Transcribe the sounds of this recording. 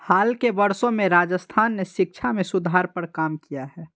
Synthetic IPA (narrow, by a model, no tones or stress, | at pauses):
haːlkebəɾsõmẽɾaːd͡ʒəst̪ʰaːnːeʃɪk̚t͡ʃʰamẽsʊd̪ʱaːɾpəɾkaːmkijaɦɛː